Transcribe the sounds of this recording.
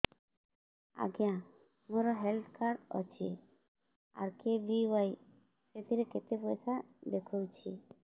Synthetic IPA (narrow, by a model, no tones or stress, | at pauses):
a̰ɡeã | mõɾɔɦelt̪ʰkʰaɾɖɔ̰t͡ʃʰi | a̰ɾkebiwaj | set̪ʰiɾeket̪epoesad̪ekʰuwt͡ʃʰi